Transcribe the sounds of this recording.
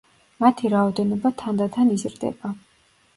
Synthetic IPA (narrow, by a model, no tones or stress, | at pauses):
mat̪ʰiɾaɔd̪ɛnɔbat̪ʰand̪at̪ʰanizɾd̪ɛ̰ba